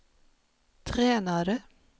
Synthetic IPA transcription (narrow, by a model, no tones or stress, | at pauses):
t̪ʰɾeːnaɾə